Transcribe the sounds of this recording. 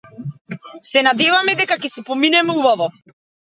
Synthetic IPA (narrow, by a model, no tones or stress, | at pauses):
sɛnad̪ɛvamɛd̪ɛkakɛsɛpɔminɛmɛubavɔ